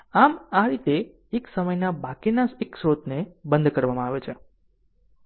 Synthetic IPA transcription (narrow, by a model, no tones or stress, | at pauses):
amaɾit̪eː | ksəməjnabakinaseksɾot̪nebənd̪kəɾʋamãaʋet͡ʃʰe